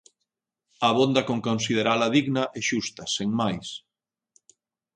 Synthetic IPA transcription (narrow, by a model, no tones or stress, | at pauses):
ɐβond̪ɐkoŋkonsið̞eɾalɐðiɣnɐʔɛʃust̪ɐseŋmajs